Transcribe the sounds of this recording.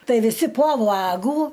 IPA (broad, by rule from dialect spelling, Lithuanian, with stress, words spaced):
ˈtɐɪ ʋʲɪˈsʲɪ poː ˈʋɑːɡuː